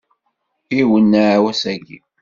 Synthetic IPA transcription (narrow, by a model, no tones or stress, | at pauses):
iwənːaʕawæsæɡḭ